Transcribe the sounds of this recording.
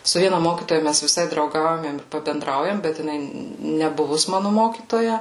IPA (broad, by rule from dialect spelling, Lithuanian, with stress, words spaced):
sʊ ˈʋʲiɛnɐ ˈmoːkʲiːtoːjɛ ˈmʲæs ʋʲɪˈsɐɪ drɐʊˈɡɐʊjɛm ɪm pɐbʲɛnˈdrɐʊjɛm bʲɛt jɪˈnɐɪ nʲɛˈbʊʋʊs ˈmɑːnʊ ˈmoːkʲiːtoːjɛ